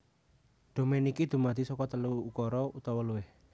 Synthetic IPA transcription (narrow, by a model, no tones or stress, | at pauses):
d̪̥o̤menikid̪̥ṳmad̪̥isɔkɔt̪əluːkɔɾɔut̪ɔwɔluwɪh